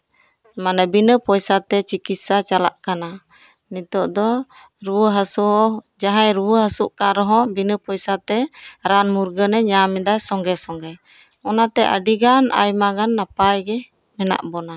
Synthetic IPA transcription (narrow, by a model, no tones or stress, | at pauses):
manabinəpɔjsat̪ɛt͡ʃikit̪sat͡ʃala̰ʔkana | nit̪ɔʔd̪ɔ | ɾuwəɦasuɦɔ | d͡ʒaɦajɾuwəɦasuʔkaɾɔɦɔbinəpɔjsat̪ɛɾanmuɾɡənɛɲamɛd̪ajsɔŋɡɛsɔŋɡɛ | ɔnat̪ɛʔa̰ɖiɡana̰jmaɡanːapajɡɛ | mɛna̰ʔbɔna